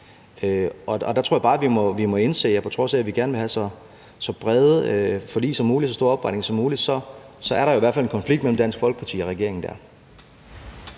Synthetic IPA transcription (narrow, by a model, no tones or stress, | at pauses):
øʔɒ̽ɒd̥æt͡sʰʁoɐjɑbɑ̈ːʋimɒ̽ʋimɒ̽e̝nse̝̰ːjæpʰɒ̽t͡sʰʁɔ̽sɛæʋiɡ̥æɐnʋe̝ɦæsɒ̽ | sɒ̽b̥ʁɛðˠəøfɒlḭːsɒ̽muːli̥sɒ̽sd̥o̝ɐɒ̽b̥ʁɑ̈ɪdneŋsɒmuːlid̥sɒ̽sɒ̽æɐɾɑ̈jo̝iʋæɐfæle̝nkʰɒ̽nfliɡ̥̚d̥mel̰m̩d̥æn̰sɡ̥fɒ̽lɡ̥əpʰɑ̈t͡sʰḭːɒ̽ʁɛɡ̥e̝ɐeŋn̩d̥æ̰ɐ